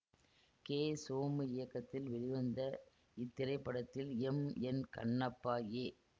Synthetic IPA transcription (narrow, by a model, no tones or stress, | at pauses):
keːsoːmɯɪjɐkːɐt̪ːɪlʋɛɻɪʋɐnd̪ɐ | ɪt̪ːɪɾɐɪpːɐɽɐt̪ːɪlɛmɛnkɐ̰ɳːɐpːaːjeː